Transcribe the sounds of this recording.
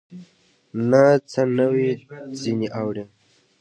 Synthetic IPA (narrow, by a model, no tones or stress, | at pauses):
nat͡sənəwid͡ziniʔawɾe